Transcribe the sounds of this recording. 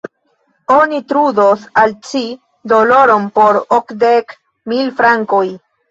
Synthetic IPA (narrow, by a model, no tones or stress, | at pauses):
onitɾudosalt͡ʃi | do̞lo̞ɾo̞npoɾokdek | milfɾaŋkoj